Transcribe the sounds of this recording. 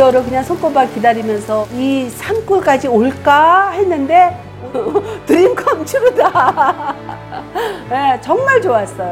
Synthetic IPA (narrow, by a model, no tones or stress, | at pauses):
ʌɾokɯɲaŋsʰʌŋk͈ʌbakkidaɾimjʌnsʰʌisʰank͈uɭk͈ad͡ʑioɭk͈ahe̞nːɯnde̞ | tɯɾimkʰʌmt͡ɕʰiɾuda | net͡ɕʌŋmaɭt͡ɕoas͈ʌjo